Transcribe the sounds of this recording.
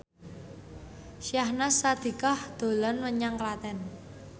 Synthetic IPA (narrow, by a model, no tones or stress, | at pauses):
ʃjahnasad̪̥i̤kahd̪̥o̤lanwəɲaŋkəlat̪ɛn